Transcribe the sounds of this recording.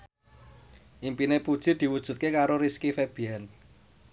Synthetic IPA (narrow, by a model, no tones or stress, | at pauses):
ʔimpinepud̥ʒ̥i̤d̪̥i̤wud̥ʒ̥ṳt̪̚kekaɾoɾiskifeb̥ian